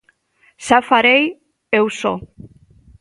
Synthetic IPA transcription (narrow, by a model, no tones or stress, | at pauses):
safaɾej | ewso